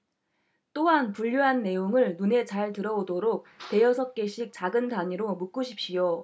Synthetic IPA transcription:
t͈oɦanpuʎːuɦanːe̞joŋɯɭnune̞t͡ɕaɭtɯɾʌodoɾok̚te̞jʌsʰʌk̚k͈e̞ɕʰik̚t͡ɕaɡɯntaŋiɾomuk͈uɕʰip̚ɕ͈ijo

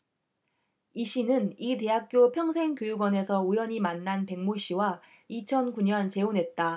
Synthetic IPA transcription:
iɕ͈ʰinɯnite̞ɦak̚k͈jopʰjʌŋsʰe̞ŋkjojuɡwʌne̞sʰʌujʌɲimanːanpe̞ŋmoɕ͈ʰiwa | it͡ɕʰʌnkuɲʌnt͡ɕe̞onɦe̞t̚t͈a

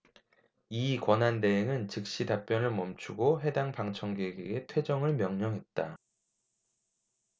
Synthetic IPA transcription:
ikwʌnɦandeɦeŋɯnt͡ɕɯk̚ɕ͈idap͈jʌnɯɭmʌmt͡ɕʰuɡoɦe̞daŋpaŋt͡ɕʰʌŋɡeɡeɡe̞tʰwe̞d͡ʑʌŋɯɭmjʌŋɲʌŋɦe̞t̚t͈a

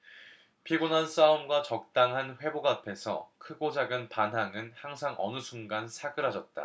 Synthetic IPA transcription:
pʰiɡonans͈aomɡwat͡ɕʌk̚t͈aŋɦanɸwe̞boɡapʰe̞sʰʌ̰kʰɯɡod͡ʑaɡɯnpanɦaŋɯnhaŋsʰaŋʔʌ̰nɯsʰuŋɡansʰaɡɯɾɦad͡ʑʌt̚t͈a̰

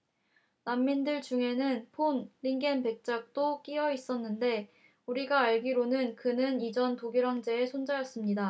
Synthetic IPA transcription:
namːindɯɭt͡ɕuŋɦe̞nɯnpʰonɾiŋɡenpe̞k̚t͡ɕ͈ak̚t͈ok͈iʌis͈ʌnːɯnde̞ | uɾiɡaːɭɡiɾonɯnkɯnɯnid͡ʑʌntoɡiɾɦaŋd͡ʑe̞ːsʰond͡ʑajʌs͈ɯmɲida

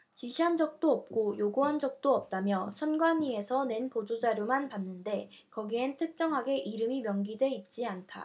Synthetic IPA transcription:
t͡ɕiɕʰiɦand͡ʑʌk̚t͈oʌp̚k͈ojoɡuɦand͡ʑʌk̚t͈oʌp̚t͈amjʌsʰʌnɡwaɲie̞sʰʌne̞npod͡ʑod͡ʑaɾjomanpanːɯnde̞ | kʌɡientʰɯk̚t͡ɕ͈ʌŋɦaɡe̞ʔiɾɯmimjʌŋɡidwe̞it̚t͡ɕ͈iantʰa̰

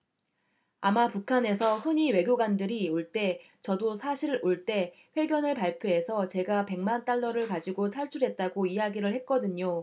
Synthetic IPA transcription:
amapukʰane̞sʰʌhɯɲiwe̞ɡʲjoɡwandɯɾioɭt͈e̞ | t͡ɕʌdosʰaɕʰiɾɯɭoɭt͈e̞ | ɸwe̞ɡjʌnɯɭpaɭpʰjoɦe̞sʰʌt͡ɕe̞ɡape̞ŋmant͈aɭːʌɾɯɭkad͡ʑiɡotʰaɭt͡ɕʰuɾɦe̞t̚t͈aɡoijaɡiɾɯɭhe̞t̚k͈ʌdɯɲo

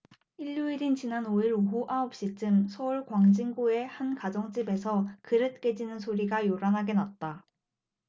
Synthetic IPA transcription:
iʎːuiɾint͡ɕinanoiɾoɦuʔaʌp̚ɕ͈it͡ɕ͈ɯmsʰʌuɭkwaŋd͡ʑiŋɡue̞hankad͡ʑʌŋt͡ɕ͈ibe̞sʰʌkɯɾɯt̚k͈e̞d͡ʑinɯnsʰoɾiɡajoɾanɦaɡe̞nat̚t͈a

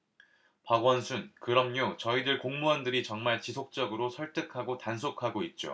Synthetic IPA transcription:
paɡwʌnsʰunkɯɾʌmɲot͡ɕʌidɯɭkoŋmuɦandɯɾit͡ɕʌŋmaɭt͡ɕisʰok̚t͡ɕ͈ʌɡɯɾosʰʌɭt͈ɯkʰaɡotansʰokʰaɡoit̚t͡ɕ͈o̰

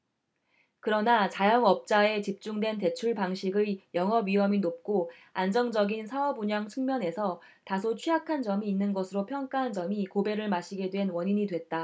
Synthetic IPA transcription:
kɯɾʌnat͡ɕajʌŋʌp̚t͡ɕ͈ae̞t͡ɕip̚t͡ɕ͈uŋdwe̞nte̞t͡ɕʰuɭpaŋɕʰiɡɯjʌŋɦʌbɥiɦʌminop̚k͈o | and͡ʑʌŋd͡ʑʌɡinsʰaʌbuɲaŋt͡ɕʰɯŋmjʌne̞sʰʌ | tasʰot͡ɕʰiɦakʰand͡ʑʌmiːnːɯnɡʌsʰɯɾopʰjʌŋk͈aɦand͡ʑʌmikobe̞ɾɯɭmaɕʰiɡe̞dwe̞nwʌɲiɲidwe̞t̚t͈a

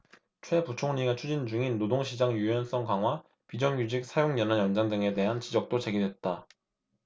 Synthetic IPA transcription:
t͡ɕʰwe̞put͡ɕʰoŋɲiɡat͡ɕʰud͡ʑind͡ʑuŋinːodoŋɕʰid͡ʑaŋjujʌns͈ʌŋkaŋɦwa | pid͡ʑʌŋjud͡ʑik̚sʰajoŋjʌnajʌnd͡ʑaŋdɯŋe̞de̞ɦant͡ɕid͡ʑʌk̚t͈ot͡ɕe̞ɡidwe̞t̚t͈a

